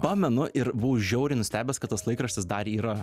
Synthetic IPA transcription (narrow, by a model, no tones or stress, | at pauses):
pɑːmʲɛnʊʔɪɾbuʊʒʲɛʊɾʲɛɪnʊsʲt̪ʲæːbʲɛskɐt̪ɐslˠɐɪkɾɐʃʲt̪ʲɪsd̪ɐɾiːɾɐ